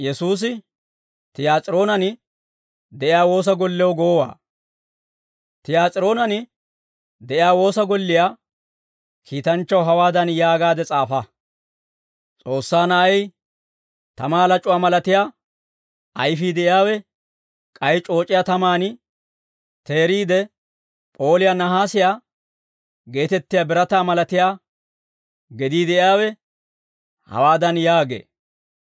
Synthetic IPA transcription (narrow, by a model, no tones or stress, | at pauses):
jɛsuːs̬ɪ | t̪ɪjaːt͡sʼɪɾo̞ːnɐn | d̪ɛʔɪjaːwo̞ːs̬ɐɡɔlːɛwɔɡoːwa̰ː | t̪ɪjaːt͡sʼɪɾo̞ːnɐnɪ | d̪ɛʔɪjaːwo̞ːsɐɡɔlːɪjaː | kʰiːt̪ɐnt͡ʃːɐwɦɐwaːd̪ɐnjaːɡaːd̪ɛt͡sʼaːfɐ | t͡sʼo̞ːsːaːnɐʔɛj | t̪ɐmaːlɐt͡ʃʼʊwaːmɐlɐt̪ɪjaː | ʔɐjfiːd̪ɛʔɪjaːwɛ | kʼɐjt͡ʃʼo̞ːt͡ʃʼːɪjat̪ɐmaːnɪ | t̪eːɾiːd̪ɛ | pʼo̞ːlɪjanɐɦaːsɪjaː | ɡe̞ːt̪ɛt̪ːɪjaːbɪɾɐt̪aːmɐlɐt̪ɪjaː | ɡɛd̪iːd̪ɛʔɪjaːwɛ | hɐ̰waːd̪ɐnjaːɡḛː